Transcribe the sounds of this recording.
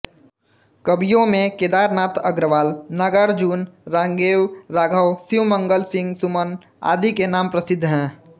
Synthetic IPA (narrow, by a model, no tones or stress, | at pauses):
kəbijõmẽked̪aːɾnaːt̪ʰəɡɾəʋaːlnəɡəɾd͡ʒuːnɾãːŋɡeːwɾaːɡʱəwsiwməŋɡəlsɪ̃ŋɡsumən | a̰ːd̪ʱikenaːmpɾəsɪd̪ʱːɦɛ̃ː